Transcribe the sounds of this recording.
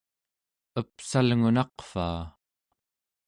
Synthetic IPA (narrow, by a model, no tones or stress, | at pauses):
əpsalŋunɑqfa̰ː